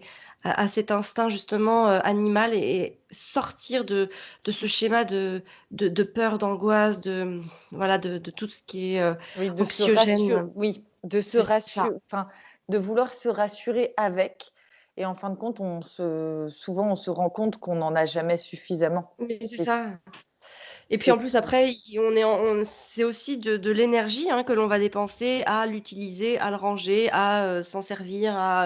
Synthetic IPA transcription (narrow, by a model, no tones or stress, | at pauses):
a̰ʔasɛt̪ɛ̃st̪ɛ̃ʒyst̪əmɑ̃øʔanimaleːsɔʁt̪iʁd̪əd̪̥əsəʃemad̪əd̪əd̪əpœʁd̪ɑ̃ɡwasd̪əvwalad̪əd̪ət̪usə̥kʲiɛøwid̪ɔksjɔʒɛnwi | d̪əsəʁafɛ̃ | d̪əvulwaʁsəʁasyʁeʔavɛk | eɑ̃fɛ̃d̪əkɔ̃t̪ɔ̃səsuvɑ̃ɔ̃səʁɑ̃kɔ̃t̪kɔ̃nɑ̃naʒamɛsyfizamɑ̃msɛsa | epɥiɑ̃plysapχɛiɔ̃nɛɑ̃sɛosid̪əd̪əlenɛʁʒiɛ̃kəlɔ̃vad̪epɑ̃sealyt̪ilizeʔa̰ləʁɑ̃ʒeaøsɑ̃sɛʁviʁa